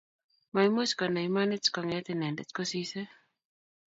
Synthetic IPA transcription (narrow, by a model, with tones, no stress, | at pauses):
ma˨imo˦skɔ˨na˨ima˦nɛ˦t͡skɔ˨ŋɛ˦t̪ɪnɛ˨ndɛ˨t͡skɔ˦sisɛ˦